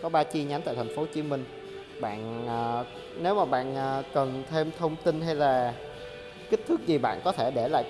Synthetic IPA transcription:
kɔ˨˦ɓaː˧t͡ɕi˧ɲa˨˦nt̪a̰ː˧˨t̪ʰa˨˩ŋ̟fo˨˦t͡ɕi˨˦mï˧ŋ̟ | ɓa̰ː˧˨nː˨˩ | ne˨˦wmaː˨˩ɓa̰ː˧˨nː˨˩kə˨˩nt̪ʰe˧mt̪ʰə˧wŋ͡mt̪ï˧nɦa˧jlaː˨˩ | ki˦˥k̚t̪ʰɨ˦˥k̚zi˨˩ɓa̰ː˧˨nkɔ˨˦t̪ʰe˧˩ɗe˧˩la̰ː˧˨j

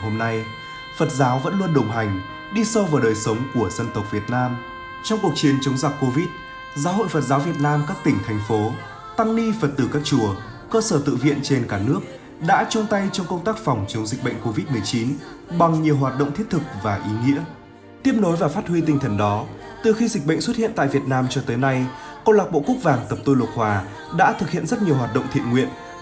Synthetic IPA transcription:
ho˧mna˧j | fə˨˩t̚zaː˨˦wvə̰˧˥nlu˧ənɗə˨˩wŋ͡mɦa˨˩jŋ̟ | ɗi˧sə˧wvaː˨˩wɗəː˨˩jsə˨˦wŋ͡mku˧˩əzə˧nt̪ə˨˩wk͡p̚vi˨˩ət̚naː˧m | t͡ɕɔ˧wŋ͡mku˨˩ək̚t͡ɕi˨˦ənt͡ɕə˨˦wŋ͡mza˨˩k̚ko˧vi˦˥t̚ | zaː˨˦ɦo̰˧˨jfə˨˩t̚zaː˨˦wvi˨˩ət̚naː˧mkaː˦˥k̚t̪ï˧˩ŋ̟t̪ʰa˨˩jŋ̟fo˨˦ | t̪a˧ŋli˧fə˨˩t̚t̪ɨ˨˩kaː˦˥k̚t͡ɕu˧˩ə | kəː˧səː˧˩t̪ɨ̰˧˨vḭ˧˨ənt͡ɕe˧nkaː˧˩nɨ˦˥ək̚ | ɗa̰ː˧˥t͡ɕɔ˧ŋ͡mt̪a˧jt͡ɕɔ˧wŋ͡mkə˧wŋ͡mt̪aː˦˥k̚fɔ˨˩wŋ͡mt͡ɕə˨˦ŋ͡mzï˨˩k̟̚ɓə̰˧˨jŋ̟ko˧vi˦˥t̚mɨ˨˩əjt͡ɕi˨˦nɓa˨˩ŋɲi˨˩əwɦwaː˨˩t̚ɗo̰˧˨wŋ͡mt̪i˦˥ət̚t̪ʰɨ˨˩k̚vaː˨˩ʔi˨˦ŋḭ˧˥ə | t̪i˦˥əp̚no˨˦jvaː˨˩faː˦˥t̚hwi˧t̪ï˧ŋt̪ʰə˧˩nɗɔ˨˦t̪ɨ˨˩xi˧zi˨˩k̚ɓə̰˧˨jŋ̟swə˦˥t̚hḭ˧˨ənt̪a̰ː˧˨vi˨˩ət̚naː˧mt͡ɕɔ˧t̪əː˨˦jna˧jkɔ˧nlaː˨˩k̚ɓo̰˧˨kʊ˦˥k̚vaː˨˩ŋt̪ə˨˩p̚t̪u˧jlʊ˨˩t̚hwaː˨˩ | ɗa̰ː˧˥t̪ʰɨ˨˩k̚hḭ˧˨ənzə˦˥t̚ɲi˨˩əwhwaː˨˩t̚ɗo̰˧˨wŋ͡mt̪ʰḭ˧˨ənŋwḭ˧˨ən

